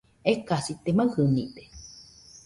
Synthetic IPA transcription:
ekasit̪emaɨhɨnḭt̪e̥

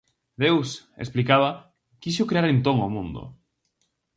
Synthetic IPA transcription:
d̪ewsḛsplikaβ̞ɐ | kiʃʊkɾeaɾẽnt̪oŋomũnd̪ʊ̰

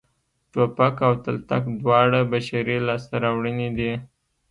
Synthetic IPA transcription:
ʈopakawt̪alt̪akd̪wɑɽabaʃaɾilɑst̪aɾawɽəned̪i

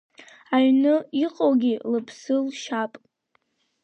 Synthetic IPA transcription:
aɥnɨiqʼowɡʲilɨpʰsɨlʃapʼ

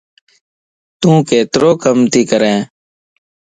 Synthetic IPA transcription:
t̪ũːkeːt̪ɾoːkəmt̪iːkəɾẽː

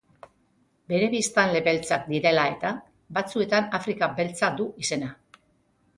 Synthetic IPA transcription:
be̞ɾe̞βist̪anle̞βe̞lt͡sak̚d̪iɾe̞lae̞t̪a | bat͡sue̞t̪anafɾikabe̞lt͡sad̪uise̞na

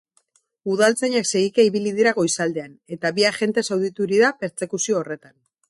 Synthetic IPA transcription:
uðalt͡saɲakse̞ɣikeiβiliðiɾaɣo̞jsald̪e̞ane̞t̪aβiaʝe̞nt̪e̞sawðit̪uɾiðape̞ɾt͡se̞kusio̞ːre̞t̪an

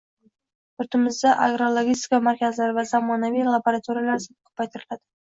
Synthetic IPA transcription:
ʊɾt̪ʰɪmɪzd̪aʔaɡɾolˠoɡʲist̪ɪ̥kamaɾkʲazlaɾɪvazamɒnavijlˠaboɾat̪ʰuɾijalaɾsɪkʰʊ̥pːajt̪ʰɪɾɪlad̪̥ɪ

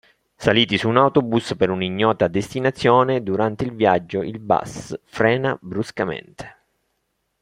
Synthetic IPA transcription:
saliːt̪isuːnawt̪obuspeɾuniɲːɔːt̪ad̪est̪inat̪sːjɔːned̪uɾant̪eilvjad͡ʒːoʔilba̰sfɾɛːnabɾuskamḛnt̪e̥

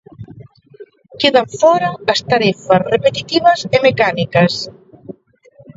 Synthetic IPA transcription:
keðaɱfɔɾaast̪aɾefasrepet̪it̪iβazemekanikas

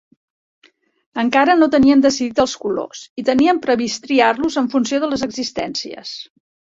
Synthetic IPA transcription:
əŋkaɾənot̪əniənd̪əsiðit̪əlˠskulo̰sit̪əniəmpɾəβist̪ɾiarluzəɱfunsioðələzəɡzist̪ɛ̰nsiə̰s

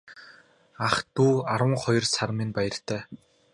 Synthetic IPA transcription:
aχt̪uːaɾwə̆ŋχɔjɞ̆rsarminpæjə̆r̥t̪æː

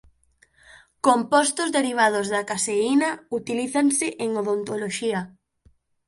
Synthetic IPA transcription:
kompɔst̪ʊzðeɾiβ̞að̞ʊzðɐkaseinɐut̪iliθaŋsɪʔeŋoðont̪oloʃiɐ

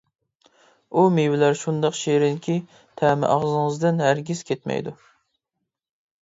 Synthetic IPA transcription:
umewɪlæɾʃund̪ɑqʃeɾɪnkʲʰi | t̪ʰæmɪ̰ʔɑʁzɨŋəzd̪ɨnɦæɾɡʲiz̥kʲʰet̪mɛ̰jd̪u

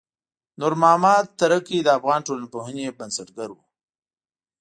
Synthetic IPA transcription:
nʊɾmɑmɑt̪ːaɾəkid̪əafɣɑːnʈolanpoɦənebansəʈɡaɾwu

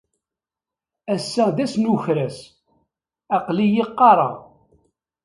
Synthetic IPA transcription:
æsːæðæsnuçɾæs | ɑqlijɪqːɑɾˤɑ̰ʁ

